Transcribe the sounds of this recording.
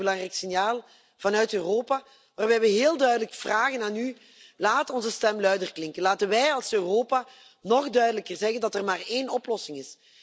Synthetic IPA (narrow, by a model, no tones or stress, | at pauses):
əlɑŋrɛjksɪnjaːlˠ | v̥ɑnœɥtøːroːpa | ʋaːrbɛjʋəɦeːlˠdœɥdələkv̥raːɣənaːny | laːtɔnzəstɛmlœɥdərklɪŋkənlaːtənʋɛjɑlˠsøroːpa | nɔxdœɥdələkərzɛɣəndɑtɛrmaːreːnɔplɔsɪŋɪs